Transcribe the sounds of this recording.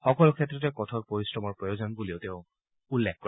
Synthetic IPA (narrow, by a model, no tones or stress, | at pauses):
xɔkɔlʊkʰɛtːɹɔtɛkɔtʰɔt̚poɹisɹɔmɔɹpɹɔjozɔnbuliʊtɛʊ̃ | ulːekkɔ